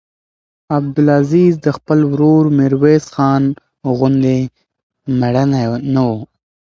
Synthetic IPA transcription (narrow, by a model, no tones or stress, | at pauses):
ab̚d̪ʊlaziːzd̪əxpəlwɾoːɾmɪɾwesxɑːn | ɣʊnd̪e | maɽananawo